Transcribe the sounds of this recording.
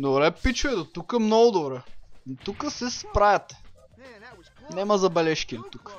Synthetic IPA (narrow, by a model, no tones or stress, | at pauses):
d̪obɾɛpit͡ʃʊɛd̪ot̪ukəmnɔɡʊd̪obɾɛnot̪ukəsɛspɾajɐt̪ɛ̥ | nɛmɐzɐbɛlɛʃkʲid̪ɛt̪ukə̥